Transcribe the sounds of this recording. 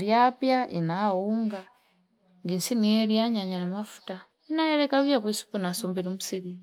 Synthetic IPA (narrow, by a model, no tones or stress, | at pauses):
ɾjapjaʔinawuŋɡa | ŋɡinsinieɾjaɲaɲanamafu̥ta | inajeɾekaβjakwisu̥punasombiɾomusiɾi